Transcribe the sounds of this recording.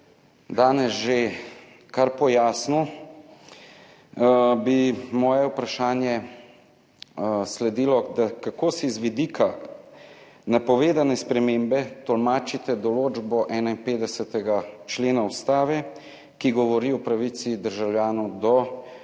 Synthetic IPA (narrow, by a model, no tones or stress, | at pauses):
d̪aːnɛzʒe | kaɾpɔjaːsnu | bimɔːjɛwpɾaʃaːnjɛ | slɛd̪iːlɔd̪akakoːsizʋid̪ikʰa | napɔʋeːd̪anɛspɾɛmeːmbɛt̪ɔlmaːt͡ʃit̪ɛd̪ɔloːd͡ʒbɔʔɛːnainpeːd̪ɛsɛt̪ɛɡat͡ʃleːnaust̪aːʋɛ | kiɡɔʋɔɾiɔpɾaʋit̪sid̪əɾʒawljaːnɔwd̪ɔ